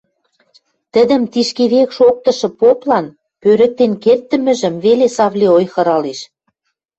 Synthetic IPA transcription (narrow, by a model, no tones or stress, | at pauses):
t̪ə̆d̪ə̆mt̪iʃkeβekʃok̚t̪ɤ̆ʃɤ̆poplɑn | pøɾə̆k̚t̪enkert̪ːə̆mɘ̆ʒə̆mvelesɑβlʲiojxɤ̆ɾɑleʃ